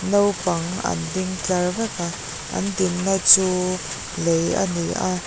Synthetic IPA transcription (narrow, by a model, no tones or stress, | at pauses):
nowpɐŋɐ̰ndɪŋt͡ɬarvɛka | ʔɐ̰ndinːat͡suː | leja̰niʔa